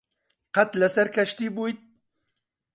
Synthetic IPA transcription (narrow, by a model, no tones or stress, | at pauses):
qat̪lasaɾkaʃt̪ibujt̪̚